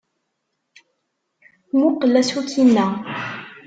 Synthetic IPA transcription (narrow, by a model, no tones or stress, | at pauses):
muqəlːæsukinːæ